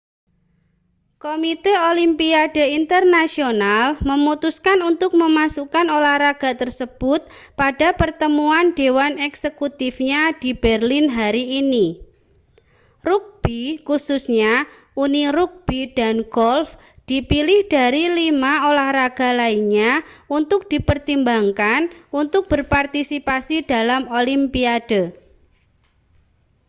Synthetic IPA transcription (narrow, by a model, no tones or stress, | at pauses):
komit̪eolimpiad̥e̤int̪ərnasionalməmut̪uskanunt̪ʊk̚məmasukanolahɾaɡ̥a̤t̪ərsəb̥ʊt̪̚pad̥a̤pərt̪əmuandewanɛksekut̪ifɲad̥i̤b̥ɛrlinɦaɾiːni | ruk̚b̥ikususɲa | uniɾuk̚b̥id̥anɡ̥ɔlf | d̥ipilɪhd̥aɾilimaolahraɡ̥a̤laiɲaunt̪ʊk̚d̥ipərt̪imbaŋkanunt̪ʊk̚b̥ərpart̪isipasid̥alamolimpiad̥ə